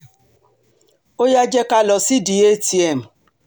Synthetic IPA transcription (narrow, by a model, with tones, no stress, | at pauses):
o˦ja˦d͡ʒe˦ka˦lɔ˨si˦di˨e˦ti˨e˨m̩˨